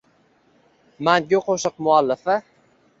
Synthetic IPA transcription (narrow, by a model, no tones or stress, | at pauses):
manɡʲɪqʰoʃɨq̚mʊalːɪfɪ